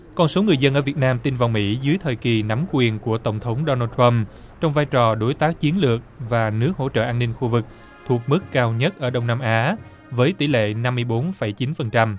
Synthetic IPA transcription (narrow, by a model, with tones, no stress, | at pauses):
kɔ˧nso˨˦ŋɨ˨˩əjzə˧nʔəː˧˩vi˨˩ət̚naː˧mt̪i˧nvaː˨˩wmḭ˧˥zɨ˨˦jt̪ʰəː˨˩jki˨˩na˨˦mkwi˨˩ənku˧˩ət̪ə˧˩wŋ͡mt̪ʰə˨˦wŋ͡mɗoɔ˧naː˧t̪ʰɹa˧m | t͡ɕɔ˧wŋ͡mvaː˧jt͡ɕɔ˨˩ɗo˨˦jt̪aː˦˥k̚t͡ɕi˨˦ənlɨ˨˩ək̚vaː˨˩nɨ˦˥ək̚ɦo̰˧˥t͡ɕə̰ː˧˨ʔaː˧nːi˧ŋxu˧vɨ˨˩k̚ | t̪ʰu˨˩ək̚mɨ˦˥kːaː˧wɲə˦˥t̚ʔəː˧˩ɗə˧wŋ͡mnaː˧mʔaː˨˦ | vəː˨˦jt̪i˧˩lḛ˧˨na˧mːɨ˧əjɓo˨˦nfə˧˩jt͡ɕi˨˦nfə˨˩nt͡ɕa˧m